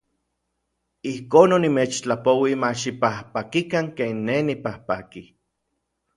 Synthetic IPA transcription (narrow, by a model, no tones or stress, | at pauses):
ihkoːnːonimeːt͡ʃt͡ɬapowimaʃipahpakikaŋkenːenipahpaki